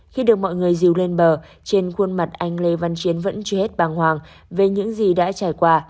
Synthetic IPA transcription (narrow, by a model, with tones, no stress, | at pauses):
xi˧ɗɨ˨˩ək̚mɔ̰˧˨jŋɨ˨˩əjzi˨˩əwle˧nɓəː˨˩ | t͡ɕe˧nxwə˧ənma˨˩t̚ʔa˧jŋ̟le˧va˧nt͡ɕi˨˦ənvə̰˧˥nt͡ɕɔ˧he˦˥t̚ɓaː˨˩ŋhwaː˨˩ŋ | ve˨˩ɲɨ̰˧˥ŋzi˨˩ɗa̰ː˧˥t͡ɕaː˧˩jkwaː˧